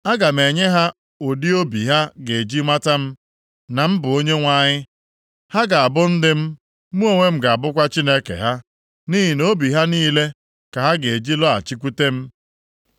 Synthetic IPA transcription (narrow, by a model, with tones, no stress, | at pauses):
a˦ɡa˨m̩e˨ɲe˦ɦa˦ | o˨di˦o˦bi˨ɦa˦ɡe˨d͡ʒi˦ma˦ta˦m̩˦ | na˨m̩˦bʊ˨o˦ɲe˦ŋʷa˦ɲɪ˦ | ha˦ɡa˨a˨bʊ˦n̩˦dɪ˦m̩˦ | mu˦o˦˨ŋʷe˦m̩˦ɡa˨a˨bʊ˦kʷa˦t͡ʃi˦ne˦kḛ˨ɦa˦ | ni˦ɦi˨no˦bi˨ɦa˦niː˦le˦ | ka˨ɦa˦ɡe˨d͡ʒi˦lɔ˦a̰˨t͡ʃi˦k̬ʷu˦te˦m̩˦